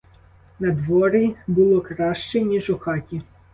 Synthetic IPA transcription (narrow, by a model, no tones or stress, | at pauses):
nɐd̪ʋɔɾɪbʊlˠɔkɾɑʃt͡ʃɛnʲiʒʊxɑtʲi